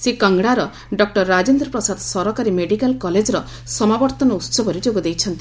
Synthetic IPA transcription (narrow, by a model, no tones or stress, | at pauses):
sekaŋɡɽaɾɔ | ɖɔk̚ʈɔɾːad͡ʒend̪ɾɔpɾɔsad̪sɔɾɔkaɾimeɽikalkɔled͡ʒɔɾɔ | sɔmabɔɾt̪ɔnɔut̪sɔbʱɔɾed͡ʒoɡɔd̪ejt͡ʃʰɔnt̪i